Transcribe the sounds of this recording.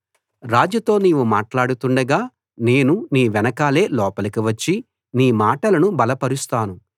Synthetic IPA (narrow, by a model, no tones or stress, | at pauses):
ɾaːd͡ʒut̪o̞ːniːʋumaːʈlaːɽut̪uɳɖɐɡaː | ne̞ːnuniːʋɛnɐkaːle̞ːlɔːpɐlɐkiʋɐt͡ʃːi | niːmaːʈɐlɐnubɐlɐpɐɾust̪aːnu